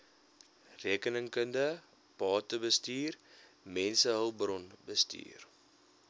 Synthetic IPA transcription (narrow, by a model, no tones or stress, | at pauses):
riəkənəŋkəndə | pɑːtəbəstiːr | mɛnsəɦəlˠbrɔnbəstḭːr